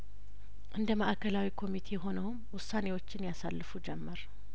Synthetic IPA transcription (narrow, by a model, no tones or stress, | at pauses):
ʔɨnd̪əməʔkʰəlawikʰo̞mit̪ʰe̞ɦo̞nəwʊmwʊsːane̞wo̞t͡ʃːɪnjasa̰lːɨfud͡ʒɛmːəɾ